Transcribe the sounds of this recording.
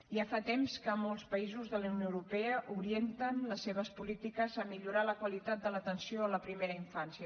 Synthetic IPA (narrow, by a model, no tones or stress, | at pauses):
iafat̪emskəmolˠspəizuzðələunjoəwɾupɛəʔuɾient̪ənləsːeβ̞əspulit̪ikəzəmiʎuɾaləkwəlit̪at̪̚d̪ələt̪ənsioləpɾimeɾəiɱfansiə